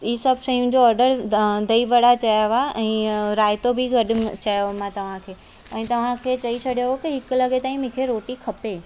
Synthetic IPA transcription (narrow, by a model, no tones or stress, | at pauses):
iːsɐbʃɐ̃jũd͡ʑoɔːɾɖəɾd̪ɐibɐɽat͡ɕɐjaʋaɛ̃ːɾaːjɪt̪obʱɪɡɐɗt͡ɕɐjomãt̪ɐʋ̤ãkʰeː | ɛ̃ːt̪ɐʋ̤ãkʰeːt͡ɕɐit͡ɕʰɐɗjokiɦɪklɐɡet̪aːĩmɪ̃ːkʰeɾoːʈikʰɐpeː